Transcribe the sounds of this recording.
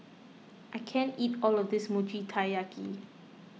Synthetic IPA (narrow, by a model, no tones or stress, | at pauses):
ʔaɪkʰɛ̃nitɔlɔvdɪsmut͡ʃitʰajakʰḭ